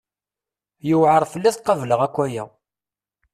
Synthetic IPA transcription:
juwʕəɾˤfəlːiθqːɑvləʁækʷːæjæ

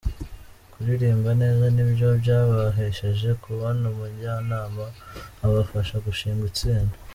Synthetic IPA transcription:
kuɾiɾiːmbane̞ːzanibɟo̞bɟaːβaɦeʃeʒe̞kʰuβanomuɟanaːmaːβafaʃaɡuʃiːŋɡit͡siːnda

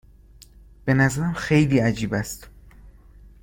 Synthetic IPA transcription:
b̥e̞næzæɾæmxe̞jliːæd͡ʒiːbæst̪

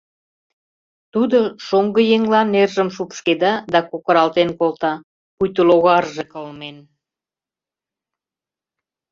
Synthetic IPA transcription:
t̪ud̪oʃoŋɡə̆jeŋlɑnːerʒəmʃukʃked̪ɑd̪ɑkokə̆ɾɑlt̪enkolt̪ɑ | pujt̪əloɣɑrʒekəlmen

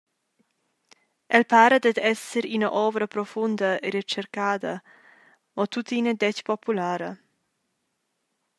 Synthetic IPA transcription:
ʔɛlpaːɾəd̪ɛd̪ɛsəɾinəʔɔvɾəpɾofund̪əeɾet͡ʃɛɾkaːd̪ə | ɔt̪ut̪inəd̪ɛcpopulaːɾə

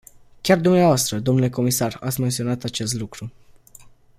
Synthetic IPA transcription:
kʲard̪umneavoast̪ɾəd̪o̞mnule̞ko̞misara̰t̪sʲme̞nt̪sio̞nat̪at͡ʃe̞st̪lukɾu

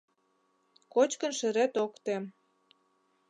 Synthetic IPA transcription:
kot͡ɕkə̆nʃĕɾet̪okt̪e

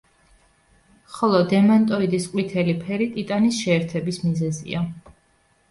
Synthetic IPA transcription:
χɔlˠɔd̪ɛmant̪ʼɔid̪isqʼwit̪ʰɛlipʰɛɾit̪ʼit̪ʼanisʃɛːɾt̪ʰɛbismizɛzḭa

